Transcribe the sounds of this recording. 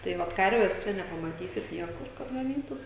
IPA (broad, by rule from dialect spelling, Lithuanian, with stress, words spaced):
tɐɪ ˈʋɐt ˈkɐrʲʋʲɛs ˈt͡ʃʲɛ nʲɛpɐmɐˈtʲiːsʲɪt ˈnʲiɛkʊr kɐt ɡɐˈnʲiːtuːs